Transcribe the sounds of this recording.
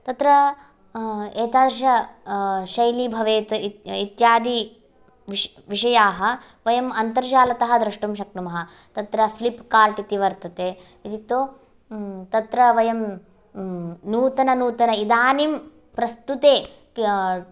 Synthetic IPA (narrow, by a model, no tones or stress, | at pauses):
t̪ɐt̪ɾɐ | eːt̪aːd̪ɐɾɐʃɐ | ʃɐjlibʱɐʋeːt̪it̪jaːd̪i | ʋ | ʋiʃɐjaːɦɐ̆ | ʋɐjɐmɐnt̪ɐɾd͡ʒaːlɐt̪ɐɦɐ̆d̪ɾɐʂʈumʃɐk̚numɐɦɐ | t̪ɐt̪ɾɐpʰlipkaːɾʈit̪iʋɐɾt̪ɐt̪eː | it̪it̪oː | t̪ɐt̪ɾɐʋɐjɐm | nuːt̪ɐnɐnuːt̪ɐnɐid̪aːnim | pɾɐst̪ut̪eː